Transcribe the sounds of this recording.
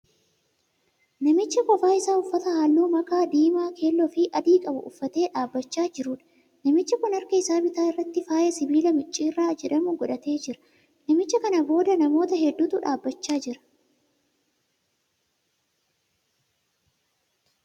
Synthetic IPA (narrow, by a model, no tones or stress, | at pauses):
nɐmɪt͡ʃːɐkɔfaːjɪsaːʊfːɐt̪ɐhaːlːuːmɐkaːd̪iːmaːkʰe̞ːlːɔfɪʔɐd̪iːkʼɐbɐ̰ʔʊfːɐt̪e̞ːᶑaːbːɐt͡ʃːaːd͡ʒɪɾʊᶑɐ̥ | nɐmɪt͡ʃːɐkʊnɐɾkɐɪsaːbɪt̪aːɪrːɐt̪ːɪfaːjɐsɪbiːlɐmɪt͡ʃʼːiːrːaːd͡ʒɛᶑɐmʊɡɔᶑɐt̪e̞ːd͡ʒɪɾɐ̥ | nɐmɪt͡ʃːɐkɐnɐbo̞ːd̪ɐnɐmo̞ːt̪ɐɦɛd̪ːuːt̪ʊᶑaːbːɐt͡ʃːaːd͡ʒɪɾɐ̥